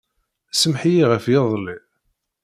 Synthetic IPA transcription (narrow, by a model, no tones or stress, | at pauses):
səmħjiʁəfjeðˤli